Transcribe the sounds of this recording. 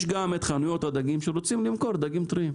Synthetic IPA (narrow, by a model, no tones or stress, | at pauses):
ʃɡamet̪χanujo̞t̪had̪aɡimʃeɾot͡simlimko̞ɾd̪aɡimt̪ɾiim